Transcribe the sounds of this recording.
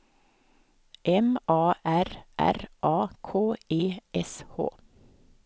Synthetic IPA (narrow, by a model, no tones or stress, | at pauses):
ʔɛmʔɑːʔæɾʔæ̰ɾʔɑːkʰoːeːʔɛsho̰ː